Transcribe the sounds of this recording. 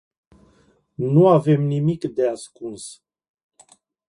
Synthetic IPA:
nuave̞mnimikd̪e̞askuns

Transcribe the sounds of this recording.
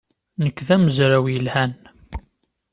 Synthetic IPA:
nəkʷːðæməzɾæwjəlhæn

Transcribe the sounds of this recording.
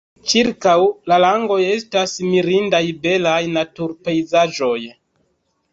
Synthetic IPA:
t͡ʃiɾkawlalaŋɡo̞je̞stasmiɾindajbe̞lajnatuɾpe̞jzaʒo̞j

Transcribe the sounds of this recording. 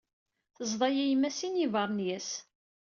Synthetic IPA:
θəzˤðˤɑjæjmːæsinivəɾˤnjæs

